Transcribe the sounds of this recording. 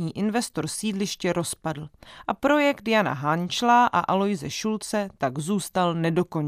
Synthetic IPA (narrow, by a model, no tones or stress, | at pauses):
ɲiːʔɪnvɛst̪o̞ɾsiːdlɪʃcɛɾo̞spadl̩ʔapɾo̞jɛkt̪jana̰ɦant͡ʃlaːʔa̰ʔalo̞jzɛʃult͡sɛt̪aɡzuːst̪alnɛdo̞ko̞ɲ